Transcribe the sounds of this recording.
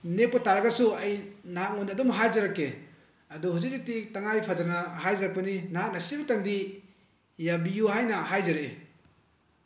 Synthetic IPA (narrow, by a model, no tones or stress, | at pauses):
nepːɐtaɾɐɡɐsuɐjnaɦak̚ŋondiɐdɔmɦajzɐɾakːe | ɐduhuzizik̚titaŋajpʰadanɐɦajzaɾɐk̚pɐninaɦak̚nɐsibtaŋdi | jabijuɦajnɐhajzɐɾeḛ